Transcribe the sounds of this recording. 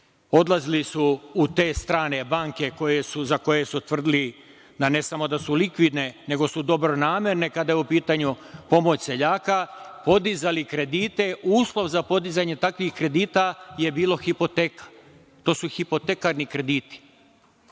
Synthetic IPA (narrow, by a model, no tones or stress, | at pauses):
o̞d̪lˠazilisuːt̪e̞ːst̪ɾaːne̞baŋke̞ko̞jesuzako̞jesut̪ʋr̩d̪ili | d̪ane̞samo̞d̪asulikʋid̪ne̞ne̞ɡo̞sud̪o̞bɾo̞naːmje̞ɾne̞kad̪ajeupiːt̪aɲu | po̞mo̞t͡ɕse̞ʎaːkapo̞d̪izalikɾe̞d̪iːt̪e̞uːslˠo̞ʋzapo̞d̪izaɲe̞t̪akʋixkɾe̞d̪iːt̪aje̞biːlo̞xipo̞t̪ekḁ | t̪o̞ːsuxipo̞t̪ekaɾnikɾe̞d̪iːt̪i̥